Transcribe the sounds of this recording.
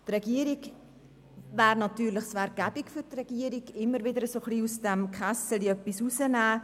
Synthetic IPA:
trɛɡiəɾiɡ | væːɾnɑt̪yːɾlɪχsvɛɾk̚ɡæb̥ikfʏɾtrɛɡ̥iəɾiɡɪmːəɾvɪd̪əɾəsoχliːusdɛmkχasəliœpːisusənæː

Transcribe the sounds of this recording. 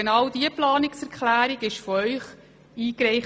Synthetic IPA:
enɑwd̥iəplɑːnɪksɛɾkχlæːɾiɡɪʃfɔœʏχ | iːkɾɛɪχ

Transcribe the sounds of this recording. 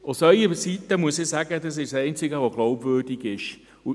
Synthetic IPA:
ʊsœʏəsitːəmuəsɪsaɡədɑsɪʃsɛɪnt͡sɪɡəvoɡ̥lɔʊbvøːrdɪɡɪʃ | u

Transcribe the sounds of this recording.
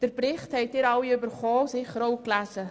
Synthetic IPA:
d̥əɾpɾɪχthɛɪt̚ɪɾɑwiybəɾχoːsɪχəɾoʊklæːsə

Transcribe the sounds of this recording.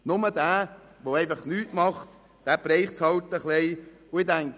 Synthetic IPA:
nʊməd̥̪æː | ʋoɛɪfɑχnyːtmɑχt̪ | d̥æpɾɛɪχt͡shɑlt̪əχleɪ | ʊɪdæŋk

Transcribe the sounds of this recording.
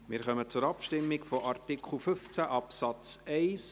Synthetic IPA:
mɪːɾχœmət͡sʊɾɑpʃtɪmːɪkfoʔɑrtikʰχl̩fʏft͡sæʔɑpsɑt͡sɛɪs

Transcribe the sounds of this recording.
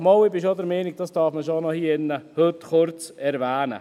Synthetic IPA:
mowɪbɪʃodəɾmɛːnɪɡ̚d̥ɑsd̥ɑɾfməʃ̬onɔhiːɪnːəhøtχʊɾt͡sɛɾvæːnə̰

